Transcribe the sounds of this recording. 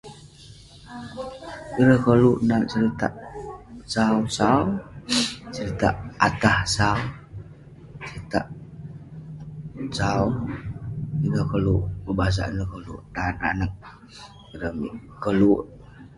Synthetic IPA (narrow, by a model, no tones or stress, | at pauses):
iɾəhkəluʔnaʔt͡ʃəɾit̪a̰ʔ | sausaw | t͡ʃəɾit̪a̰ʔat̪ahsaw | t͡ʃəɾit̪aʔ | sau | iɾəhkəluʔbəbas̬a̰ʔnɾəkəlṵʔnana̰nək̚ | iɾəmḭʔkəluʔ